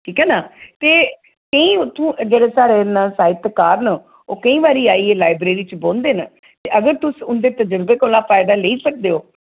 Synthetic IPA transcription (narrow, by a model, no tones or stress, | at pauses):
kʰiːkɛːnaːt̪eː | kəĩːt̪ũːd͡ʒeːɽeːsaːɾeːnasaːɪt̪kaːɾnə | oːkəĩːʋaːɾiːaːiːeːlaːɪbɾeːɾiːt͡ʃboːnd̪eːna | t̪eːʔəɡəɾt̪ʊsʊnd̪eːt̪əd͡ʒəɾbeːkoːlãːpʰaːɪd̪aːleiːsək̚d̪eːoː